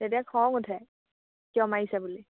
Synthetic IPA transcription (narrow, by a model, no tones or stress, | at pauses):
tetiakʰɔŋutʰɛ | kiɔmaisabuli